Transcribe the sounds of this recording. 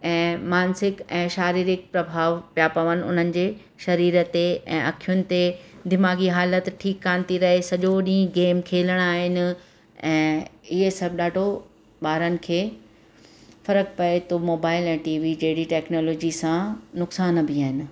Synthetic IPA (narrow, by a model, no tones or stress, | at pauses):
ɛ̃ːmaːnsɪkɛ̃ːʃaːɾiːɾɪk̚pɾɐbʱaːʋpijapɐʋənɪ̆ʊ̰n̤ənɪ̆d͡ʑeː | ʃɐɾiːɾ̆t̪eɛ̰̃ːʔɐkʰijʊnɪ̆t̪ed̪ɪmaːɡiɦaːlət̪ʈʰiːkːaːnɪt̪iɾɐɦesɐʄoɗĩːɡeːmkʰeːləɽ̃aːɦɪnɪ̆ | ɛ̃ːɪɦesɐbɗaːɖʱo | ɓaːɾənɪ̆kʰeː | fɐɾəkpɐet̪omoːbaːɪlɛ̃ːʈiːʋid͡ʑeːɽiʈɛːknoːloːd͡ʑisãnʊksaːnbiaːɦɪnɪ̆